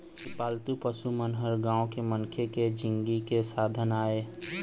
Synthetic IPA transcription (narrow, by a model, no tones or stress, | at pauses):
sɪpaːlt̪upəsumənɦəɾɡãːõkeməŋkʰeked͡ʒɪ̃ŋɡikesaːd̪ʱənaːeː